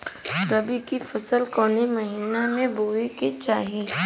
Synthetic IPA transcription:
ɾɐbikifɐsəlkɔːnimɐɦiːnamẽboːeket͡ʃaːɦiː

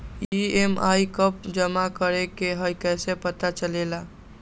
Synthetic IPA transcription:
iema̰ikəp̚d͡ʒəmakəɾekeɦəjkɛsepət̪at͡ʃəlela

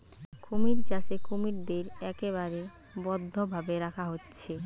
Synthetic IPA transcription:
kʰomiɾt͡ɕaʃekomiɾd̪eɾɛkeβaɾe | bɔd̪ʱːobʱabeɾakʰaɦotːɕʰe

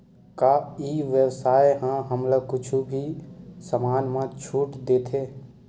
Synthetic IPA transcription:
kaːiʋjəwsaːjɦãɦəmləkʊt͡ʃʰubʱisəmaːnmãt͡ʃʰuːʈd̪eːt̪ʰeː

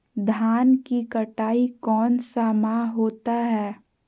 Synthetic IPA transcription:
d̪ʱaːnkikɐʈaːikɔːnsamaɦoːt̪aɦɛː

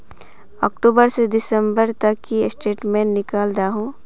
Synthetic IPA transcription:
ɔːk̚ʈoːbəɾsed̪ɪsəmbəɾt̪ɐkːisʈeːʈmẽnnɪkaːld̪aːɦõː

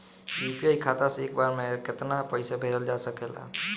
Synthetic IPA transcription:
juːpiaːikʰaːt̪aseeːkbaːɾmẽkɪt̪napəɪsabʱeːɾəld͡ʒaːsəkeːla̰ː

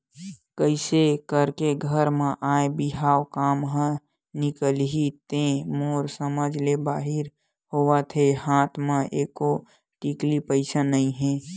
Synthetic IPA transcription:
kəɪsekəɾkeɡʱəɾmẽʔaːebiɦaːwkaːmɦə̃ | nɪkəlɦit̪ẽmoːɾsəməd͡ʒlebaːɦɪɾ | hoʋat̪ʰehaːt̪ʰmãʔeːko | ʈiklipəɪsanəĩɦɛ̃

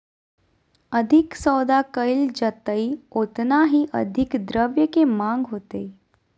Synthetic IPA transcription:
əd̪ʱiksəwd̪akəjld͡ʑət̪əiot̪naɦiːʔəd̪ʱikd̪ɾəʋjəkemãŋɡɦot̪e

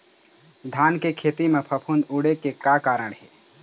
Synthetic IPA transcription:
d̪ʱaːnkekʰeːt̪imẽpʰɐpʰund̪uːɽekekaːkaːɾəɳ̃ɦɛː

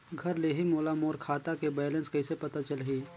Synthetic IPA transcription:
ɡʱɐɾleːɦimoːlamoːɾkʰaːt̪akebeːlẽnskɐɪsepɐt̪at͡ʃəlɦiː

